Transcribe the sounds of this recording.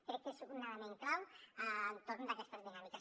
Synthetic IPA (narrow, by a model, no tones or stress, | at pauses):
peɾɛk̚k̪esukunːaðamẽŋklawant̪oɾnd̪akɛst̪əzðinamika